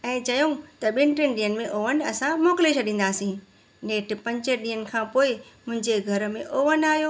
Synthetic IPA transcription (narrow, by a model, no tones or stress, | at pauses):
ɛ̃ːt͡ɕɐjũt̪ɐɓɪnɪʈɪ̃nɗiːənɪ̆mẽʔoːʋənɪɐsãmoːkɪlet͡ɕʰɐɗĩːnd̪aːsĩː | neːʈ̆pɐ̃ɲd͡ʑə̆ɗĩːənɪ̆kʰãːpoːɪmʊ̃ɦɪ̃ɲd͡ʑeɡʱɐɾə̆mẽʔoːʋənaːɦjoː